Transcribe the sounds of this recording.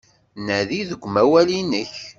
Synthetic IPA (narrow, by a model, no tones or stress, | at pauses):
næðiðəɡʷːmæwælinəç